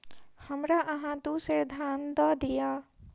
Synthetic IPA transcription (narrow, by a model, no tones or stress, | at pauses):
hɐmɾaʔɐɦãd̪uːseɾd̪ʱaːnd̪ɔːd̪ijaː